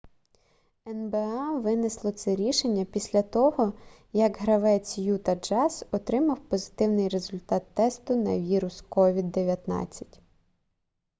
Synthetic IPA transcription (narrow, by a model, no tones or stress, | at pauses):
ɛnbeɑʋɪnɪslˠɔt̪sɛɾʲiʃenʲːɐpʲisʲlʲɐt̪ɔɦɔ | jɐɡɦɾɐʋɛt͡sʲjut̪ɐd͡ʒɑsɔt̪ɾɪmɐwpɔzɪt̪ɪwnɪjɾe̞zʊlʲt̪ɑt̪ːɛst̪ʊnɐ̰ʋʲiɾʊskɔʋʲid̪ːeʋʲjɐt̪nɑ̰t͡sʲːɐ̥tʲ